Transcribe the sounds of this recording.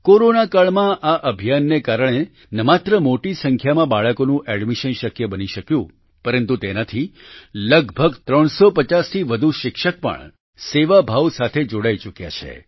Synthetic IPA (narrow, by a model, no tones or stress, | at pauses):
koɾonakaɭmãʔaʔəbʱijanːekaɾəɽ̃e | nəmat̪ɾəmoʈisəŋkʰjamãbaɭəkonũʔɛɖmiʃənʃəkjəbəniʃəkjũ | pəɾənt̪ut̪enat̪ʰiləɡbʱəɡt̪ɾəɳ̃sopət͡ʃast̪ʰiʋəd̪ʱuʃɪkʃək̚pə̰ɳ | seʋabʱaʋsat̪ʰed͡ʒoɽait͡ʃukja̰t͡ʃʰḛ